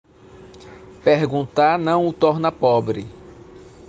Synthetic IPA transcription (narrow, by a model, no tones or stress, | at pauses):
peɾɡũnt̪aɾnɐ̃w̃ʊt̪ɔɾnɐpɔbɾɪ̰